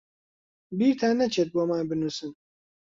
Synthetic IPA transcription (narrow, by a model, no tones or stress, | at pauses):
biːɾt̪ʰaːnɐt͡ʃʰeːt̪̚boːmaːnbɨnuːsɨn